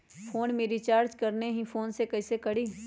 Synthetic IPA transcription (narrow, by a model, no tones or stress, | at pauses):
pʰoːnmẽɾit͡ʃaːɾd͡ʒkɐɾneɦĩfʰoːnsekɐɪsekɐɽiː